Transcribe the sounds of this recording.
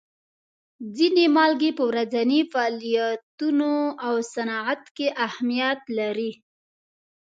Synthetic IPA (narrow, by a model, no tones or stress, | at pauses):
d͡zinemɑlɡepəwɾazanifaɑlijat̪unoawsanɑat̪keʔahmijat̪laɾi